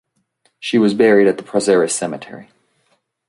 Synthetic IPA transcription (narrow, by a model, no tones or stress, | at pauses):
ʃiwʌzbɛɹiɾɨt̪̚ðəpʰɹ̥ɑzɛɹɨsɛmɨtʰɛ̰ɹi